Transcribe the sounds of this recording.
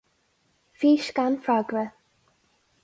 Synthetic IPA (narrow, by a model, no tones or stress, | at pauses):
fiːʃkanfɹaɡɾə